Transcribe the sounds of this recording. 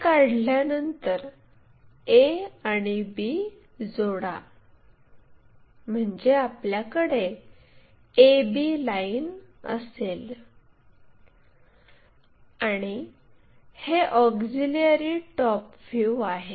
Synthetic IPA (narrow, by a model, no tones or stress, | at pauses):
kaɽljanənt̪əɾ | eaɽ̃ibi | d͡zoɽa | m̤əɳd͡ʑeapljakəɽe | ebilainə̰sel | aɽ̃i | heʔɔkd͡zilijəɾiːʈɔpfjuaɦe